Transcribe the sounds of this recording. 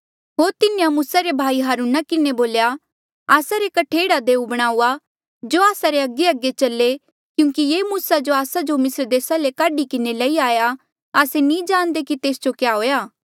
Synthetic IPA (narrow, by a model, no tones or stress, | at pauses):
ɦoːɾt̪ɪnejãmuːsaɾebʱaːiɦaːɾuːnakɪneboːlja | aːsaɾekɐʈʰeːɽad̪eːubɐɽ̃aːuːa | d͡ʒoaːsaɾeɐɡeɐɡːet͡ʃɐlːe | kjũːŋkijeːmuːsad͡ʒoaːsad͡ʒomɪsəɾd̪eːsalekaːɖikɪnelɐiaːja | aːsenĩd͡ʒãːñd̪ekit̪eːsd͡ʒokjaɦoːjaː